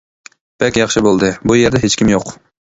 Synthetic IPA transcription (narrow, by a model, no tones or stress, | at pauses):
b̥ɛkʲjɑχʃɪbolˠd̪ɨbujeɾd̪ɛɦet͡ʃkʲimjoq